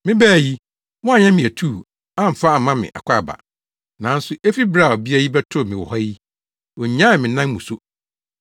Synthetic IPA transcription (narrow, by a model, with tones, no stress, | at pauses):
mɪ̃˦bæː˦˨ji˦ | wɔ̃˦a˨ɲɛ̃˦mɪ̃˨æ˨tʰuː˦˨ | ã˦m̩˨fa˦˨mã˦mɪ̰̃˨ʔa̰˨kʷʰa˦˨ba̰˨ | nã˨˦n̩˦sʊ˨ʔe˦fi˦bɾa˦˨ɔ˨bi˦a˦ji˦bɛ˦tʰʊ˦˨mɪ̃˨wɔ˨hɔ˦ji˦ | wɔ˨ɲã˦˨mɪ̃˨nã˦n˦mũ˨so˦